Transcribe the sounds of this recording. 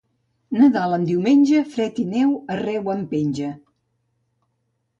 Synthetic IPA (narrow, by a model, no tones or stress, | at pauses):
nəðaləmd̪iwmenʲʒəfɾɛt̪inɛwərɛwəmpenʲʒə